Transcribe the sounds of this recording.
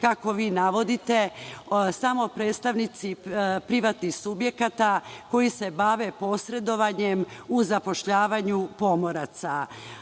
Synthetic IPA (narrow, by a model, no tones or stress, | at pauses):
kako̞ʋiːnaʋo̞d̪it̪esamo̞pɾe̞ːt̪st̪aʋnit̪sipɾiʋat̪nixsubje̞kat̪ako̞jise̞baʋe̞po̞sɾe̞d̪o̞ʋaɲe̞muzapo̞ʃʎaːʋaɲupo̞mo̞ɾat̪sa